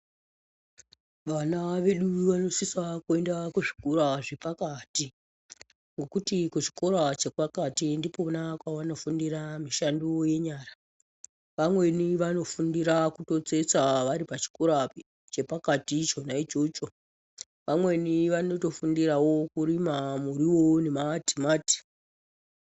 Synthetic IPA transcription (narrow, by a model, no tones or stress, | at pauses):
ʋanaʋe̞ɗuʋano̞sisakue̞ndakuʐikoraʐe̞pakati | ŋɡo̞kutikut͡ʃi̥ko̞ɾat͡ʃekwakatindiponakwawano̞fundiramiʃandoje̞ɲaːra | ʋamwe̞niʋano̞fundiɾakuto̞t͡se̞st͡saʋaɾipat͡ʃi̥koɾa | t͡ʃe̞pakatit͡ʃo̞naid͡ʒot͡ʃo | ʋamwe̞niʋano̞to̞fundirawo̞kurimamuɾiwo̞nemati̥maːti̥